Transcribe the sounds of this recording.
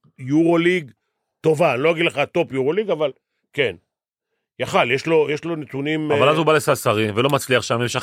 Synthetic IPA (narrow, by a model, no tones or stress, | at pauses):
juʁoliɡ | t̪o̞vanloaɡid̪leχat̪o̞pjuʁoliɡaval | ken | jaχaljeʃlo̞jeʃlo̞net͡sunimavvalazubalesasaʁivelo̞mat͡sliaχʃamjemʃa